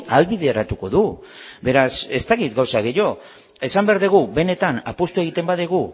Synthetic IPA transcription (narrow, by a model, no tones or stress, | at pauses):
alβiðeɾat̪uko̞ðu | be̞ɾase̞st̪akit̪ɡawsaɣejo̞ | e̞sambe̞aɾðeɣ̞ube̞ne̞t̪anapost̪ue̞ɣ̞it̪e̞mbaðiɣ̞u